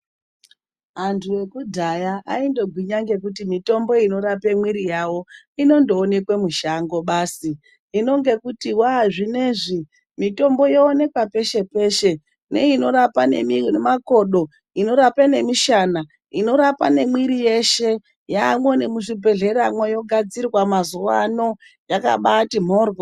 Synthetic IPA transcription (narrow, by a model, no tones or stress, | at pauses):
ɦantʰuwe̞kudʱajaaindo̞ɡʱwiɲaŋɡe̞k̬utimito̞mbo̞ino̞ɾapemwiɾijawo̞ | ino̞ndoːne̞kwemuʃaŋɡo̞ɓaːsiː | no̞ŋɡe̞kutiwaʐine̞ːʐi | mito̞mbo̞joːne̞kwape̞ʃe̞pe̞ːʃe̞ | nḛino̞ɾapane̞̰minemako̞ɗo̞ | ino̞ɾapane̞miʃana | ino̞ɾapane̞mwiɾije̞ʃe̞ | jamwonemuʐibʱe̞ɮe̞ɾamwojo̞ɡʱad͡zirwamazuwano̞ | jaka̰ɓatim̤o̞ːrwo